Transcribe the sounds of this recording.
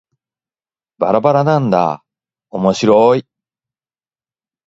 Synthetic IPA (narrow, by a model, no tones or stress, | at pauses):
b̥aɾabaɾanãnd̪a̰ | omo̞ɕiɾoi